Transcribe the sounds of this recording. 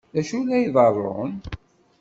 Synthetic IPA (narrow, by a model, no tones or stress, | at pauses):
ðæʃulːæjðˤɑrˤːo̰n